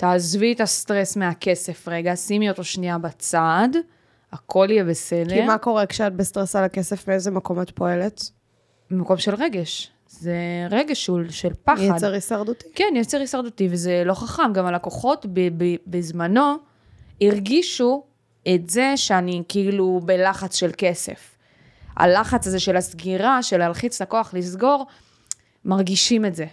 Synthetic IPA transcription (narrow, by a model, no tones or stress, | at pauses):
taːzvietastʁesmeake̞se̞fʁe̞ɡasimio̞to̞ʃniabat͡sad | akʰo̞lijebese̞dkeimako̞ʁekʃeat̚best̪ʁesalakesefmeezemekomotpo̞elet | emako̞mʃe̞lʁe̞ɡe̞ʃ | ze̞ʁeɡeʃuʃelpaadeʁisaʁd̪uti̥kenjet͡seʁisaʁd̪utivezelo̞χaχamɡamalakoχo̞tbebebezmano̞ | iʁɡiʃu | etze̞ʃeanikiilube̞laχat͡sʃe̞lke̞se̞̰f | a̰laχat͡sazeʃelasɡiʁaʃe̞lhalχit͡slakoaχlisɡo̞ʁ | maʁɡiʃime̞tze̞